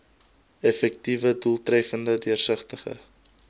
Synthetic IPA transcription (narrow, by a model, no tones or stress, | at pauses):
ɛfɛk̚tivədulˠtrɛfəndədyərsəχtəχə̰